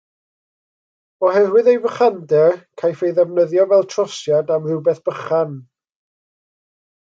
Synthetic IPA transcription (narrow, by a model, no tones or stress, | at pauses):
ɔɦɛrwɪðejvəχandɛrkʰajfejðɛvnəðjɔvɛlˠtʰr̥ɔsjadamrɪwbɛθb̥əχan